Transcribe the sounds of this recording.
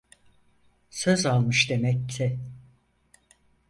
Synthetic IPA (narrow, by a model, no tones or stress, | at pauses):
søzalˠmɯʃd̪e̞mɛk̚t̪ʰɛ